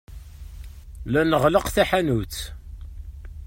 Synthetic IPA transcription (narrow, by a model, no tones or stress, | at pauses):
lænəʁləqθæħanuθ